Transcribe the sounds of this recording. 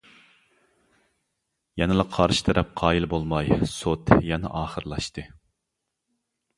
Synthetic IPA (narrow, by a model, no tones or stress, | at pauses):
jɛnɨlˠɑqʰɑɾʃi̥t̪ʰɛɾɛp̚qʰɑːjilˠbolˠmɑjsot̪jɛnɛ̰ʔɑːχəɾɨlˠɑʃt̪ɨ